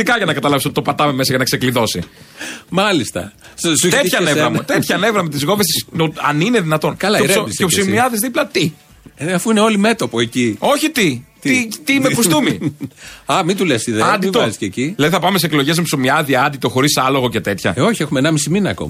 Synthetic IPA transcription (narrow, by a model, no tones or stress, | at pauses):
t̪ikɐʝɐnɐkɐt̪ɐlɐvis̬ot̪it̪opɐt̪ɐmeme̞sɐʝɐnɐkse̞kliðo̞si | mɐlist̪ɐ̰sst̪et̪çɐnevɾɐmut̪et̪çɐne̞vɾɐmet̪izɣo̞vest̪isoɐnine̞ðinɐt̪o̞nkɐlɐessoseopsimiɐðizðiplɐt̪i | ɐfuineo̞lime̞t̪opoecio̞çit̪it̪it̪imepust̪umi | ɐmit̪ulesiðeɐnd̪it̪ozisceciðilɐðiθɐpɐmeseklo̞ʝe̞zmepsomiɐðiɐɐnd̪it̪o̞xo̞ɾisɐlo̞ɣo̞ce̞t̪e̞t̪çɐ̰o̞çiexumenɐmisiminɐːko̰m